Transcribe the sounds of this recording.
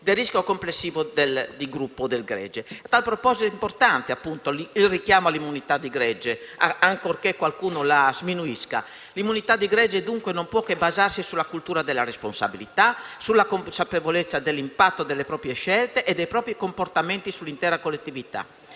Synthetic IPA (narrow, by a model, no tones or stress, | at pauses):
d̪eriskjokomplesːiːvod̪eld̪iɡɾupːod̪elɡɾɛ̰d͡ʒeat̪alpɾopɔzit̪impoɾt̪ant̪eapːunt̪oilrikjaːmoalːimːunit̪ad̪ːiɡɾɛd͡ʒeaŋkorkekːwalkuːnolazminuiska̰ | limːunit̪ad̪ːiɡɾɛd͡ʒed̪uŋkwenompwɔkːebazarsisulːakult̪uːɾad̪elaɾesponsa̰bilit̪asulːakomsapevolet̪sːad̪elːimpat̪ːod̪elːepɾɔːpɾjeʃɛlt̪eʔːd̪ːejpɾɔːpɾikompoɾt̪ament̪isulːint̪ɛːɾakolːet̪ːivit̪a̰